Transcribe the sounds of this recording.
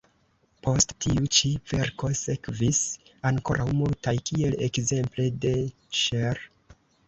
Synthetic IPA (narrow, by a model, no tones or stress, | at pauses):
pʰo̞stːiut͡ʃive̞ɾko̞sekvisaŋko̞ɾʔawmultajkʰie̞lekze̞mple̞de̞ | ʃeɾ